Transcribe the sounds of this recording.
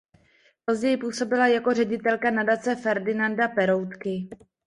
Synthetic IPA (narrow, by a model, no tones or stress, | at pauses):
po̞zɟɛjɪpuːso̞bɪlajako̞r̝ɛɟɪt̪ɛlkanadat͡sɛfɛɾdɪnandapɛɾo̞wt̪kɪ